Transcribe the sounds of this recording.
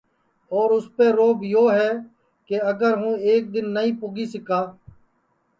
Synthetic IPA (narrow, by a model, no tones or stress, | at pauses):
ɔːɾʊspeːɾoːbjoːɦɛː | keəɡəɾɦũːeːk̚d̪ɪnːəɦĩːpʊɡiːsɪkaː